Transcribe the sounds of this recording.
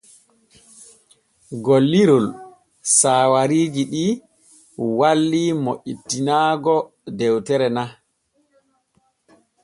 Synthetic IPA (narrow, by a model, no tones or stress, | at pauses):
ɡolːiɾul | saːwaɾiːd͡ʒiɗi | walːimoʔitːinaːɡɔ | dɛwtɛɾɛna